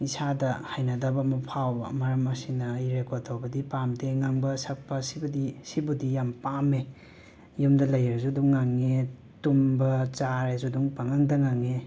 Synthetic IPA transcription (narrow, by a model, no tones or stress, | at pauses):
isadɐhajnɐdɐbɐmɐpʰawbɐ̰mɐɾɐmɐsinɐːjɾekoɾtʰawbɐdipamteŋaŋbɐsɐk̚pːɐsibɐdisibudijampame | jumdɐlɐjeɾzuduŋːaŋːe | tumbɐt͡ʃaɾezuduŋpaŋaŋdɐŋaŋːe